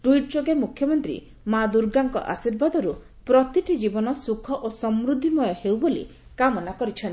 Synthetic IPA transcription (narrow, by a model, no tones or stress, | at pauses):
ʈujʈ̚d͡ʒoɡemukʰjɔmɔnt̪ɾḭ | mad̪uɾɡaŋkɔ̰ʔa̰siɾbad̪ɔɾu | pɾɔt̪iʈid͡ʒibɔnɔsukʰɔʔosɔmɾud̪ʱːimɔjɔhewbolḭ | kamɔnakɔɾit͡ʃʰɔnt̪